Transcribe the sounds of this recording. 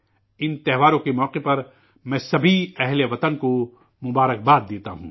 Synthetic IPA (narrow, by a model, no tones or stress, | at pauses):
ɪnt̪ɛɦʋaːɾõkemɔːqepɐɾ | mɛ̃ːsɐbʱiɛɦleʋɐt̪ənko | mʊbaːɾək̚baːt̪̚d̪eːt̪a̰ɦṵ̃ː